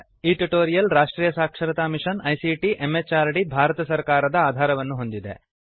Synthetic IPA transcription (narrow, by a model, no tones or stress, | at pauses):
iʈiʈoːɾijɐlɾaːʂʈɾiːjɐsaːkʂɐɾɐt̪aːmiʂɐnɐjsiʈiʔemːet͡ʃaːɾɽibʱaːɾɐt̪ɐsɐɾkaːɾɐd̪ɐaːd̪ʱaːɾɐʋɐnːuɦo̞nd̪id̪ḛ